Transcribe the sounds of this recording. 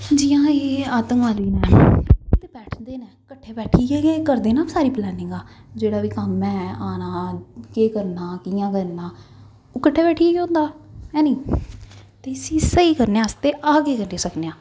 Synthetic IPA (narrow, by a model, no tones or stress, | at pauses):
d͡ʒijãːeːaːt̪əŋʋaːliːnɛːt̪eːbɛːʈʰd̪eːneːkəʈʰːeːbɛːʈʰiːɡeːɡeːkəɾd̪eːnaːsaːɾiːplɛːnɪ̃ŋɡaː | d͡ʒeːɽaːʋiːkəmːɛ̃ːaːnaːkeːkəɾnaːkijãːkəɾnaː | oːkəʈʰːaːbɛːʈʰiːeːɡeõːnd̪aːɛːniː | t̪eːsiːsəiːkəɾneãːst̪eːʔaːɡeːkəɾneːsəkneːãː